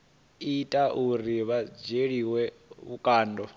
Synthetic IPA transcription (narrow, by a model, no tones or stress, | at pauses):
itʼaʔuɾiβad͡ʒeɺiːwɛβukʼaːndʱɔ